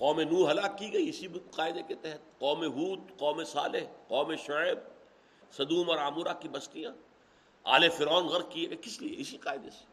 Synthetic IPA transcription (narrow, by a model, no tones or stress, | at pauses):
qɔːmenuːɾɦɐlaːkːiɡɐiɪsiqaːɪd̪eket̪ɛɦɛt̪̚qɔːmeɦuːd̪qɔːmesa̰ːleɦqɔːmeʃʊeb̚ | sɐd̪uːmɔɾaːmuɾakibɐst̪ijãː | a̰ːlefɪɾɔːnɣɐɾt̪kieɡkɪsliḛɪsiqaːɪd̪ese̥